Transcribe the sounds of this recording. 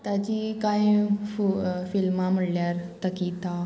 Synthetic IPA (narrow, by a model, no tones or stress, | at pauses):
t̪at͡ɕikajĩfufilmam̤əɽljaɾt̪əkit̪a